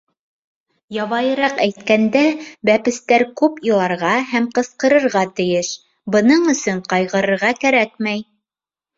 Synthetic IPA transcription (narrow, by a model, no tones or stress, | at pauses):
jɑβɑjɤ̆ɾɑqæjt̪̚kænd̪æbæpɘ̆st̪æɾkʉpilˠɑɾʁɑɦæmqɤ̆sqɤ̆ɾɤ̆ɾʁɑt̪ɘ̆jɘʃ | bɤ̆nɤɴɵ̆sɵɴqɑjʁɤ̆ɾɤ̆ɾʁɑkæɾækmæj